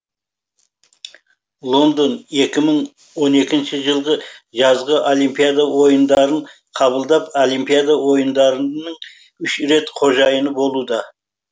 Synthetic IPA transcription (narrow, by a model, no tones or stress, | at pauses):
lˠo̞nd̪one̞kʲɪməɴ | wo̞ne̞kʲɪnʃɪʒəlˠʁəʒɑzʁəʔolʲˠimpijad̪awo̞jənd̪ɑɾəɴ | qʰɑβəlˠd̪ɑpolˠimpijad̪awo̞jənd̪ɑɾənəɴ | ʏʃɾe̞t̪qʰo̞ʒɑjənəbo̞lˠud̪ɑ